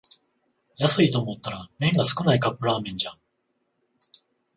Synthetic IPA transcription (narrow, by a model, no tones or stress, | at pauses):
jasɨit̪o̞ːmo̞t̪ːaɾamẽ̞ŋɡasɨ̥kɯ̟naikapːɯ̟ɾaːmẽ̞ɲ̟d͡ʑa